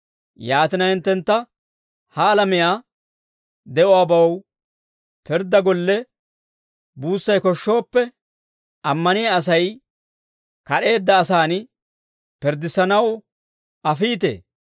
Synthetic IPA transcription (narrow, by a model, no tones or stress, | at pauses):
jaːt̪ɪnɐhɪnt̪ːɛnt̪ːɐ | hɐːlɐmɪjaː | d̪ɛʔʊaːbɐww | pɪɾd̪ːɐɡɔlːɛ | buːsːɐjkɔʃːo̞ːpːɛ | ɐmːɐnɪjaːs̬ɐj | kɐɗe̞ːd̪ːɐːsaːn | pɪɾd̪ɪsɐnɐw | ɐfiːt̪ḛː